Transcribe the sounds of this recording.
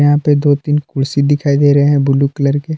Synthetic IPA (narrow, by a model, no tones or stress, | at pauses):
ɐɦãped̪oːt̪ɪnkʊɽsid̪ɪkʰaːid̪eːɾɐɦeɦɛ̃bʊlukɐləɾke